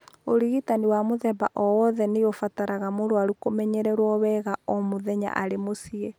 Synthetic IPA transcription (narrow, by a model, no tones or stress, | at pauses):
oɾiɣitaniwamoðɛba̰ʔɔwɔðɛneofataɾaɣamoɾoaɾukomɛɲɛɾɛɾwɔwɛɣaɔmoðɛɲa̰ʔaɾemosiɛ